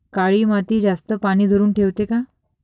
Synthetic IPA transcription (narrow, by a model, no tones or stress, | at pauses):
kaɭiːmat̪iːd͡zast̪əpaɽ̃iːd̪ʱoɾuːnʈʰeʋt̪eka